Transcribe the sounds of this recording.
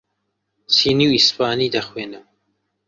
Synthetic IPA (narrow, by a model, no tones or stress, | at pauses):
t͡sʰiːniwispaːniːd̪ɐxweːnɨ